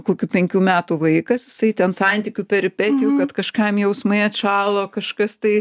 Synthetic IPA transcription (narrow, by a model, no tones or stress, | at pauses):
koːkʲupʲɛŋʲkʲuːmʲæːt̪uːʋɐɪkɐsjɪsɐɪt̪ʲɛnsɐnʲt̪ʲikʲuːpʲɛɾʲɪpʲæt̪ʲɪjuːkɐt̪kɐʃkɐmjɛʊsmɐɪɐt̪ʃɑːlˠoːkɐʃkɐst̪ɐɪ